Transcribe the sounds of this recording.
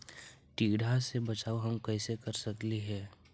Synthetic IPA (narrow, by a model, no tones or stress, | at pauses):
ʈiːɽʱasebɐt͡ʃaːoɦɐmkɛːsekəɾsɐkliɦɛː